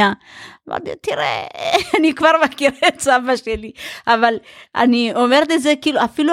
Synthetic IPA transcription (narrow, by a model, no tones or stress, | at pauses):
ava̰d̪et̪iɾḛnikvaɾmakiɾet͡savaʃeliavala̰niomeɾd̪ezekiluafilu